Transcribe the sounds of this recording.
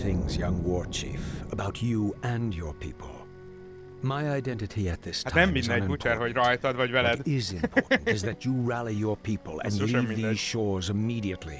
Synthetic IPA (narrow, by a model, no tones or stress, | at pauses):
θɪ̃ŋzjʌ̃ŋwɔɹt͡ʃʰḭfəbaʊt͡ʃəɨ̃njə˞pʰḭpʰə̰l̩ˠ | maɪaɪdɛ̃ntɨɾiɨt̪̚ðɪstʰãɛ̃nbĩneuɛɾəɹaɪθɔtbaʊvɛlɛdɪzɨ̃mpʰɔɹʔn̩tɨzðɨt͡ʃəɹælˠijə˞pʰipəlˠɨ̰̃nlivðiz̥ʃɔɹzɨmiɾiɨtˡlḭ